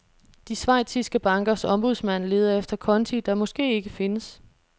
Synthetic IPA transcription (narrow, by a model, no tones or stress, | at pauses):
d̥isʋɑ̈ɪ̰̥sisɡ̥əb̥ɑ̈ŋɡ̥ɐsɒ̽mb̥uð̞̰ˠsmæn̰le̝ːð̞ˠɐefd̥ɐkʰɒ̽nt͡sʰid̥ɑ̈mɒ̽sɡ̥e̝̰ːe̝ɡ̥əfe̝nəs